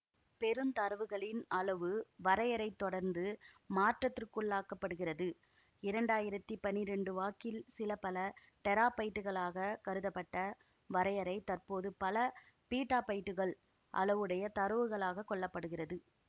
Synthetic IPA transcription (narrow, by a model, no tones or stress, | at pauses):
pɛɾɯmt̪ɐɾɯʋɯɣɐɭɪnɐlɐʋɯʋɐɾɐjɐɾɐɪt̪ːɔɽɐɾnd̪ɯmaːʈrɐt̪ːɪrkɯɭːaːkːɐpːɐɽɯɣɪrɐðɯ | ɪɾɐɳɖaːjɪɾɐt̪ːipɐnːɪɾɛɳɖɯʋaːkɪlsɪlɐpɐlɐ | ʈɛɾaːpɐjʈːɯɣɐɭaːɣɐkɐɾɯðɐpːɐʈːɐ | ʋɐɾɐjɐɾɐɪt̪ɐrpoːðɯpɐlɐ | piːʈːaːpɐjʈːɯɣɐɭ | ʔɐ̰lɐʋɯɽɐjɐt̪ɐɾɯʋɯɣɐɭaːɣɐkːɔɭːɐpːɐɽɯɣɪrɐðɯ